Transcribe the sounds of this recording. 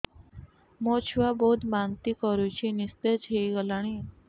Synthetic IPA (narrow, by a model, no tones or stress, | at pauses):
mot͡ɕʰʋabod̪mant̪iːkɔɾut͡ɕinist̪ed͡ʑɦejɡəlaɽ̃i